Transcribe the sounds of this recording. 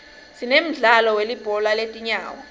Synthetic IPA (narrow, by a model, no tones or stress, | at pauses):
sinem̩ɮalɔwelib̥ʱɔlaletʼiɲaːwa